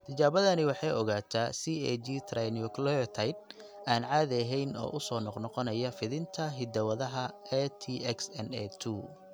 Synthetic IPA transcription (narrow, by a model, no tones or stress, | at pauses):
t̪ʰɐt͡ʃaːβɐðɐnɪwɑħɑjɔɣaːt̪ʰaːsiɛd͡ʒit̪ʰrajnjʊklɔt̪ʰajd̪̚ | aːnʕaːðɛɦɛjnɔ̰ːʔʊsɔːnɔqnɔqɔnɐjɐfɪðɪnt̪ʰɐɦɪd̪ɐwɐðɐɦɐɛt̪ʰiʔɛksɛnɛt̪ʰu